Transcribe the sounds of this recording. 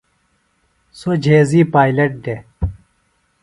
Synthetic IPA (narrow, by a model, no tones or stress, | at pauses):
sod͡ʑʱeːziːpaːjlɐʈ̚ɖe